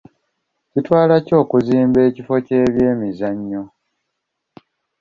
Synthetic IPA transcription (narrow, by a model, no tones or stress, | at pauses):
citwaːlaco̞ːkuziːmbe̞ːcifo̞ceːβje̞ːmizaɲːo̞